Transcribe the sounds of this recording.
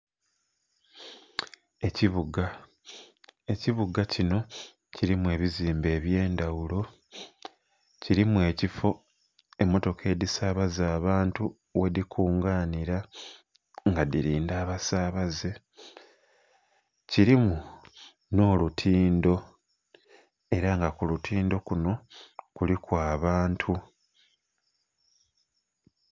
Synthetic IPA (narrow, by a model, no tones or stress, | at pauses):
e̞ciβuɡa | e̞ciβuɡacino̞ | ciɾimue̞ːβiziːmbe̞ːβje̞ːndawulo̞ | ciɾimue̞ːcifo̞ | e̞mo̞to̞kʰe̞ːdisaːβazaːβaːntu | we̞dikʰuːŋɡaːniɾa | ŋɡadiɾiːndaːβasaːβaze | ciɾimu | no̞ːlutʰiːndo̞ | e̞ɾaŋɡakulutʰiːndo̞kuno̞kulikwaːβaːntʰu